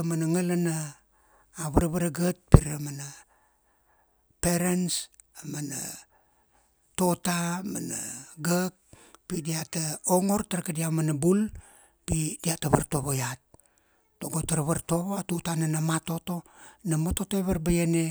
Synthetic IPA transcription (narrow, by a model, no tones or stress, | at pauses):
manaŋalanaː | βaɾβaɾaɡət̚piɾamana | peɾens | amana̰ | to̞tama̰naɡak̚pidiataoŋo̞ɾtaɾkadiamanabul | pidiataβaɾto̞βojat̚ː | oɡotaɾaβaɾto̞βoatutananamato̞to̞namoto̞toeβaɾbajene